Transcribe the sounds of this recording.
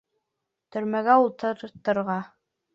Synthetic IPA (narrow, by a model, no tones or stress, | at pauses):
t̪ɵ̆ɾmæɡæulˠt̪ʰɤɾt̪ɤ̆ɾʁɑ